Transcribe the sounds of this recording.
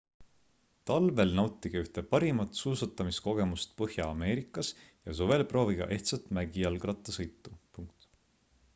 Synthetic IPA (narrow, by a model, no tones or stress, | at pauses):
t̪ɑlve̞lnɑwt̪ˑːiɡ̥ɑyht̪epɑɾimɑt̪suːsɑt̪ːˑɑmisko̞ɡ̥e̞must̪̚pɤhjɑːme̞ːɾikːˑɑsjɑsuve̞lpro̞ːviɡ̥ɑ̰ʔe̞ht̪sɑt̪ˑmæɡ̥iɑlɡrɑt̪ːˑɑsɤjt̪ˑːupuŋk̚t̪ˑ